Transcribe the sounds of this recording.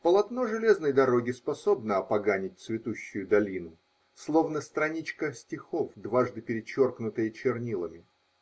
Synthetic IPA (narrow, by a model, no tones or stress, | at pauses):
pəlˠɐt̪no̞ʐɨlʲe̞znəjd̪ɐɾo̞ɡʲɪspɐso̞bnəɐpɐɡanʲɪt̚ʲt̪svʲɪt̪uɕːʊjʊd̪ɐlʲinʊ | slˠo̞vnəst̪ɾɐnʲit͡ɕkəsʲtʲɪxo̞fd̪vaʐd̪ɨpʲɪɾʲɪt͡ɕo̞rknʊt̪əjət͡ɕɪrnʲilˠəmʲɪ